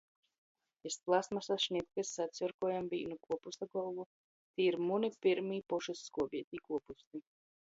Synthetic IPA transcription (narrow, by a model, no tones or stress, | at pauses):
esplˠasmasasʃnʲit̪̚kasːat̪sɔɾkɔɔjamvḭːnukuɔpust̪aɡɔvu | t̪iːiɾmunipiɾmiːpɔʃusːkuɔbiɛt̪ʲiːkuɔpust̪i